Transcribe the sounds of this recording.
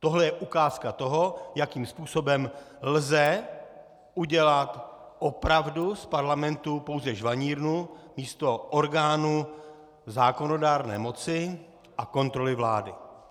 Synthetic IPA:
t̪oɦlɛjɛʔukaːskat̪o̞ɦo̞jakiːmspuːso̞bɛm | lzɛ | ʔuɟɛlat̪ | ʔopɾavduspaɾlamɛnt̪upo̞wzɛʒvaɲiːɾnumiːst̪o̞ʔoɾɡaːnu | zaːko̞no̞daːɾnɛ̰ːmo̞t͡sɪ | ʔako̞nt̪ɾo̞lɪvlaːdɪ

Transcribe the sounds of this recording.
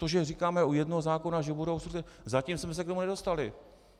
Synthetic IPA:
oʒɛrikaːmɛujɛdnoɦozaːko̞naʒɛbuɾo̞wsut̪ɛzacimsmɛs̬ɛkt̪omunɛdo̞st̪alɪ

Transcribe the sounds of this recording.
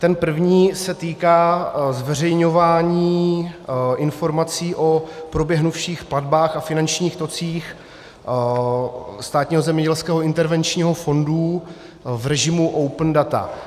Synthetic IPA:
t̪ɛnpr̩vɲiːsɛt̪iːkaːzvɛr̝ɛjɲovaːɲiː | ʔɪnfo̞ɾmat͡siːʔo̞pɾobjɛɦnufʃiːxpladbaːxafɪnant͡ʃɲiːxt̪o̞t͡siːx | st̪aːt̪ɲiːɦo̞zɛmɲɛɟɛlskɛːɦoɪnt̪ɛɾvɛnt͡ʃɲiːɦo̞fo̞ndu | vrɛʒɪmuʔowpndat̪a̰

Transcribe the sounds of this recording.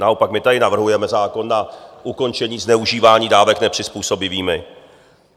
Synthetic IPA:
nao̞pakmɪt̪adɪnavr̩ɦujɛmɛzaːko̞nːaʔuko̞nt͡ʃɛɲiːznɛuʒiːvaːɲiːdaːvɛknɛpr̥ɪspuːso̞bɪviːmɪ

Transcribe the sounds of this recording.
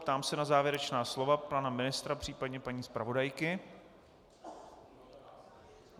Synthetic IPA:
pt̪aːmsɛnazaːvjɛɾɛt͡ʃnaːslo̞vapanamɪnɪst̪ɾapr̥iːpadɲɛpaɲiːspɾavo̞dajkɪ

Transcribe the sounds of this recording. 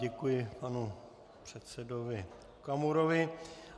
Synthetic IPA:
ɛkujɪpanu | pr̝̥ɛt̪sɛdo̞vɪ | kamuɾovɪ

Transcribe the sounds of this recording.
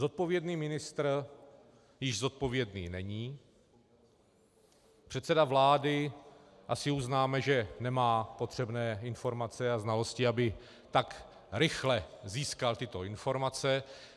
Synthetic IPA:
zo̞t̪̚po̞vjɛdniːmɪnɪst̪r | jɪʒzo̞t̪̚po̞vjɛdniːnɛɲiː | pr̥ɛt̪sɛdavlaːdɪʔasɪuznaːmɛʒɛnɛmaːpo̞t̪r̝̥ɛbnɛːɪnfo̞ɾmat͡sɛaznalo̞scɪabɪ | t̪ak | ɾɪxlɛziːskalt̪ɪt̪o̞ɪnfo̞ɾmat͡sɛ

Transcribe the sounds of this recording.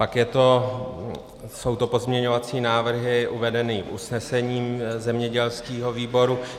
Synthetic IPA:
pakjɛt̪o̞ | so̞wt̪opo̞zmɲɛɲo̞vat͡siːnaːvr̩ɦɪʔuvɛdɛniʔṵsnɛsɛɲiːmzɛmɲɛɟɛlskiːɦo̞viːbo̞ɾu

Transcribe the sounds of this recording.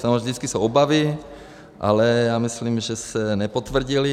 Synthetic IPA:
samovʒd̪it͡skisowobavi | ʔa̰lɛjaːmisliːmʒɛsɛnɛpot̪ʋr̩ɟili

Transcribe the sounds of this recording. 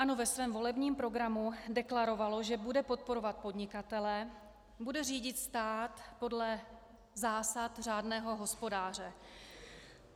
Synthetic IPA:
ʔano̞vɛsvɛːmvo̞lɛbɲiːmpɾo̞ɡɾamudɛklaɾo̞valo̞ʒɛbudɛpo̞t̪̚po̞ɾo̞vat̪̚po̞dɲɪkat̪ɛlɛ | budɛriːɟɪt̪st̪aːt̪po̞dlɛ | zaːsat̪r̝aːdnɛːɦo̞ɦo̞spo̞daːr̝ɛ

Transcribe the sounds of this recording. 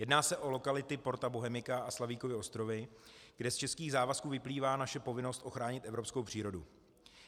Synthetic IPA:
jɛdnaːsɛʔo̞lo̞kalɪt̪ɪpo̞ɾt̪aboɦɛmɪkaʔaslaviːkovɪʔo̞st̪ɾo̞vɪɡ̥dɛst͡ʃɛskiːɣzaːvaskuːvɪpliːvaːnaʃɛpo̞vɪno̞st̪ʔo̞xɾaːɲɪt̪ʔɛvɾopsko̞wpr̝̥iːɾo̞dṵ

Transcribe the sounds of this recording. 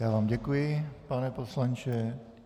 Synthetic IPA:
jaːvaːmɟɛkujɪpanɛposlaɲt͡ʃɛ

